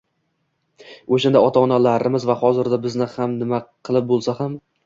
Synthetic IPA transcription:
oʃand̪aɒt̪ʰaɒnalaɾɪmɪzvahɒzɪɾd̪abɪznɪhamnɪmaqʰɨlˠɪp̚bolˠsaham

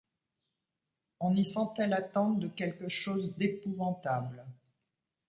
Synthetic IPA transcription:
ɔ̃nisɑ̃t̪ɛlat̪ɑ̃d̪əkʲɛlkəʃozd̪epuvɑ̃t̪abl

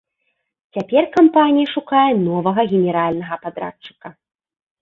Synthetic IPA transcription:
t͡sʲapʲɛrkampanʲijɐʂukajɛnɔvɐɣɐɣʲɛnʲɛɾalʲnɐɣɐpad̪ɾa̰t͡ʂːɨ̥kɐ

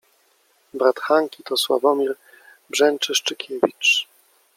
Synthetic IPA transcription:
bɾat̪xaŋkʲit̪ɔswa̰vɔmʲiɾ | bʐɛnt͡ʂɘʂt͡ʂɘkʲʰevʲḭt͡ʂ

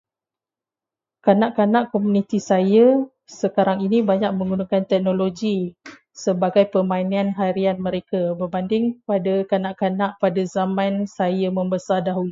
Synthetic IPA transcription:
kanaʔkanaʔkomunit̪isaja | səkaɾaŋinibaɲaʔk̚mə̃ŋɡunakant̪ɛk̚noloɡi | səbaɡajpəmãinianɦaɾianmə̃ɾekabərbandɪŋpadakanaʔkanaʔpadazamãnsajamə̃mbəsardaɦuli

